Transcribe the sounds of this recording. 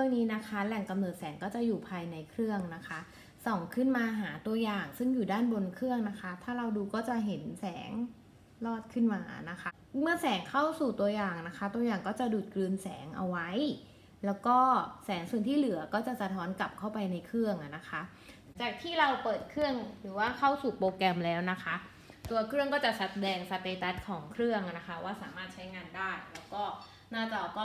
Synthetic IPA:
ɾɯ˥˩əŋniː˦˥na˦˥kʰa˦˥lɛ˨˩ŋka˧mnɤː˨˩t̪̚sɛː˩˦ŋkɔː˥˩t͡ɕa˨˩juː˨˩pʰaː˧jna˧jkʰɾɯ˥˩əŋna˦˥kʰa˦˥ | sɔ˨˩ŋkʰɯ˥˩nmaː˧ɦaː˩˦t̪u˧ɐjaː˨˩ŋsɯ˥˩ŋjuː˨˩daː˥˩nbo˧nkʰɾɯ˥˩əŋna˦˥kʰa˦˥t̪ʰaː˥˩ɾa˧wduː˧kɔː˥˩t͡ɕa˨˩ɦe˩˦nsɛː˩˦ŋ | lɔː˥˩t̪̚kʰɯ˥˩nmaː˧na˦˥kʰa˦˥ | mɯ˧˥əsɛː˨˩˦ŋkʰa˥˩wsuː˨˩t̪u˧ɐjaː˨˩ŋna˦˥kʰa˦˥t̪u˧ɐjaː˨˩ŋkɔː˥˩t͡ɕa˨˩duː˨˩t̪̚klɯː˧nsɛː˩˦ŋʔa̰˧wa˦˥j | lɛː˦˥wkɔː˥˩sɛː˩˦ŋsu˨˩ənt̪ʰiː˥˩lɯ˩˦ɐkɔː˥˩t͡ɕa˨˩sa˧t̪ʰɔː˦˥nka˨˩p̚kʰa˥˩wpa˧jna˧jkʰɾɯ˥˩əŋʔa˨˩na˦˥kʰa˦˥ | t͡ɕaː˨˩k̚t̪ʰiː˥˩ɾa˧wpɤː˨˩t̪̚kʰɾɯ˥˩əŋɾɯː˩˦waː˥˩kʰa˥˩wsuː˨˩poː˧kɛ˧mlɛː˦˥wna˦˥kʰa˦˥ʔ | t̪u˧ɐkʰɾɯ˥˩əŋkɔː˥˩t͡ɕa˨˩sa˦˥t̪̚dɛː˧ŋsa˧p̪eː˧t̪a˦˥t̪̚kʰɔː˩˦ŋkʰɾɯ˥˩əŋʔna˦˥kʰa˦˥waː˥˩saː˨˩˦maː˥˩t̪̚t͡ɕʰa˦˥jŋaː˧ndaː˥˩jlɛː˦˥wkɔː˥˩ | naː˥˩t̪ɔː˨˩kɔː˥˩

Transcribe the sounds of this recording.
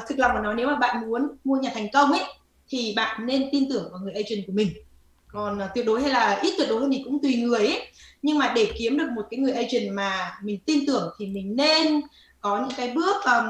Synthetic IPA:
t̪ʰɨ˨˩klwŋ͡mlaː˨˩nɔ˨˦jne˨˦wmaː˨˩ɓa̰ː˧˨nmu˨˦ənmu˧əɲaː˨˩t̪ʰɛ˨˩jŋ̟kə˧wŋ͡mʔə˨˦j | t̪ʰi˨˩ɓa̰ː˧˨nːe˧nt̪i˧nt̪ɨ˧˩əŋvaː˨˩wŋɨ˨˩əjʔə˧jt͡ɕï˨˩ŋ̟ku˧˩əmï˨˩ŋ̟ | kɔ˨˩nː˨˩wi˨˩ət̚ɗo˨˦jha˧jlaː˨˩ʔi˦˥t̪̚wəɗo˨˦˧mi˨˩ŋkʊ̰˧˥ŋ͡mt̪wi˨˩ŋɨ˨˩əjʔə˨˦ɲɨ˧ŋmaː˨˩ɗe˧˩ki˨˦əmɗɨ˨˩ək̚mo˨˩t̚kaː˨˦jŋɨ˨˩əʔə˧jt͡ɕï˨˩ŋ̟maː˨˩mï˨˩ŋ̟t̪i˧nt̪ɨ˧˩əŋt̪ʰi˨˩mï˨˩ŋ̟ne˧n | kɔ˨˦ɲɨ̰˧˥ŋkaː˨˦jɓɨ˦˥ək̚ː

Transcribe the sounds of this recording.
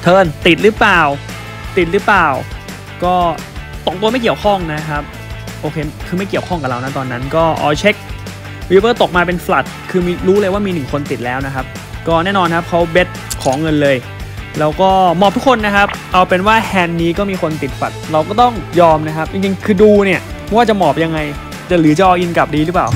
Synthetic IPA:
t̪ʰɤː˧˩nt̪i˨˩t̪̚ɾɯː˦˥plaː˨˩w | t̪i˨˩ɾɯ˦˥plaː˨˩w | kɔː˥˩ | t̪o˨˩k̚t̪u˧ma˥˩jki˨˩əwkʰɔ˥˩ŋna˦˥kʰa˦˥p̚ | ʔoː˧kʰeː˧kʰɯː˧ma˥˩jki˨˩əwkʰɔ˥˩ŋka˨˩ɾa˧wna˦˥t̪ɔː˧nːa˦˥nkɔː˥˩ʔɔ̰ː˨˧˩t͡ɕʰe˦˥k̚ | wi˦˥pɤː˥˩t̪o˨˩k̚maː˧p̬e˧nfla˨˩t̪̚kʰɯː˧miː˧ɾuː˦˥lɤː˧jwaː˥˩miː˧nɯ˨˩ŋkʰo˧nt̪i˨˩t̪̚lɛː˦˥wna˦˥kʰa˦˥p̚ | kɔː˥˩nɛː˥˩nɔː˧nkʰa˦˥p̚kʰa˦˥wbe˦˥t̪̚kʰɔː˩˦ŋɤ˧nlɤː˧j | lɛː˦˥wkɔː˥˩mɔː˨˩p̚t̪u˦˥kʰo˧nːa˦˥kʰa˦˥p̚ʔa˧wpe˧nwaː˥˩hʰɛː˧nːiː˦˥kɔː˥˩miː˧xʰo˧nt̪i˨˩t̪̚fa̰˨˩t̪̚ɾa˧wkɔː˥˩t̪ɔ˥˩ŋjɔː˧mna˦˥kʰa˦˥p̚ʔt͡ɕi˧ŋt͡ɕi˧ŋkʰɯː˧duː˧ni˥˩ɐm˥˩waː˥˩t͡ɕa˨˩mɔː˨˩p̚ja˧ŋːa˧j | t͡ɕa˨˩lɯː˩˦t͡ɕa˨˧˩ʔɔː˧˩ʔi˧nka˨˩p̚diː˧lɯ˦˥plaː˨˩w

